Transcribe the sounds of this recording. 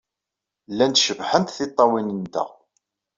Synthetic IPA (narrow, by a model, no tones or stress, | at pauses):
lːænt̪ʃəvħənt̪θɪt̪ˤːɑwinənt̪æ̰